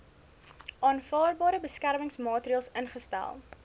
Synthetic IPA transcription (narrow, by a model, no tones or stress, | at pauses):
ʔɑːnfɑːrbɑːɾəbəskærməŋsmɑːtɾiɑːlˠsənχəstæ̰lˠ